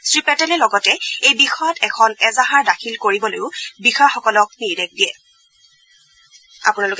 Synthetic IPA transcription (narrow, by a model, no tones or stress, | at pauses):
sɹipɛtɛlɛlɔɡɔtɛejbixɔjɔtɛkʰɔnɛzaɦaɹdakʰilkoɹibɔlojʊbixaxɔkɔlɔk̚niɹdɛk̚dijɛ | a̰punalʊk